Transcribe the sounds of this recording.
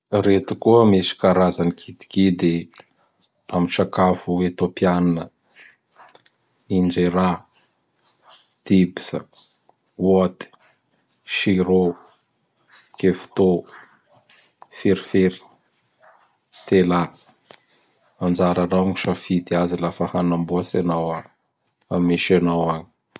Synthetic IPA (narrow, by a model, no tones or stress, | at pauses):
ret̪ukuəmesi̥kaɾazanikʰit̪i̥kid̪e | amiʈ͡ʂakafuet̪opiananə | ind͡ʒeɾa | d̪̥ibi̥sə̰ | wot̪i̥ | ʃiɾo | kefu̥t̪o | fiɾifeɾi̥ | t̪ela | and͡ʒaɾanawŋiʃafid̪iazilafəhanambuasenawa | amiʃanawaɲi̥